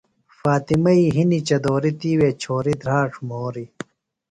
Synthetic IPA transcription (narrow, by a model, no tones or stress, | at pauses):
faːt̪imɐiːɦinit͡ɕɐd̪oːɾit̪iːweːt͡ɕʰoːɾid̪ɾaːʈ͡ʂʰmoːɾi